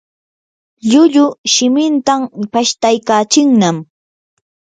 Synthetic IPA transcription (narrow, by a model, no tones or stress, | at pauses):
ʎʊʎʊʃɪmɪnt̪ampaʃt̪ajkaːt͡ʃɪŋnam